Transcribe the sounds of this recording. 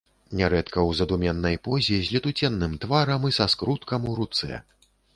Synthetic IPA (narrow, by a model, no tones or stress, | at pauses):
nʲɛɾɛt̪kɐwzɐd̪umʲɛnːɐjpɔzʲizʲlʲɛt̪ut͡sʲɛnːɨmt̪vaɾɐmisaskɾut̪kɐmuɾut̪sɛ̰